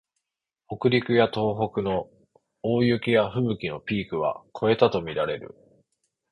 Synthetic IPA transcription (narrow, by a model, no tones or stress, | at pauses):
o̞kɯ̟ɾʲikɯ̟jat̪o̞ːɦo̞kɯ̟no̞ | oːjɯ̟kʲijaɸɯ̟bɯ̟kʲino̞pʲiːkɯ̟β̞a̰kʰo̞e̞t̪at̪o̞mʲiɾaɾe̞ɾɯ̟̰